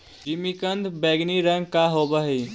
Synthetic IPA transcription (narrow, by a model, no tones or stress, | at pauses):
d͡ʒimikənd̪bɛːɡniɾə̃ŋɡ̚kaɦoːbəɦi